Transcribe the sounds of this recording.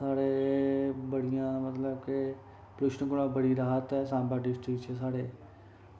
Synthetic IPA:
saːɽeːbəɽɪjãːmət̪ləb̚ke | pɾʊʃnɡʊɽãːbəɽiːɾaːɦət̪ɛːsãːmbaːɖɪsʈɾɪkt͡ʃɛːsaːɽeː

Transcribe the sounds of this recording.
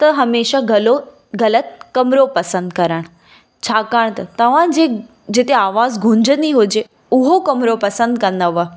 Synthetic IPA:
t̪ɐɦɐmeːʃaɡɐlo | ɡɐlət̪̚kɐmɾopɐsə̃nd̪̚kɐɾəɽ̃ | t͡ɕʰaːkaːɽ̃t̪ɐt̪ɐʋ̤ãd͡ʑeː | d͡ʑɪt̪eaːʋaːzɡʱʊ̃ɲd͡ʑənd̪iɦʊd͡ʑe | ʊɦokɐmɾopɐsə̃nd̪kɐ̃nd̪əʋə

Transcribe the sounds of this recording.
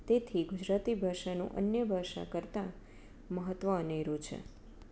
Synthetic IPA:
t̪et̪ʰiɡud͡ʒɾat̪ibʱaʃanṵ̃ʔə̰njəbʱaʃa̰kəɾt̪a | məɦət̪ʋəəneɾut͡ʃʰḛ

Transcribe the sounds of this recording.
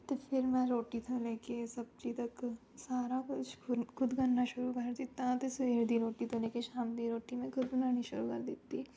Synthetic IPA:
t̪opʰɪɾmɛ̃ɾoːʈit̪ʰaleːkesɐb̚t͡ʃit̪ɐk | saːɾakʊt͡ʃʊkʰʊd̪ɡɐnːaʃʊɾukɐɾd̪ɪt̪ːãt̪eseɾd̪iɾoːʈit̪ʰɐleːkeʃaːmd̪iɾoːʈimẽkʰʊd̪ʊnaːniʃʊɾukɐ̰ɾd̪ɪt̪ːi

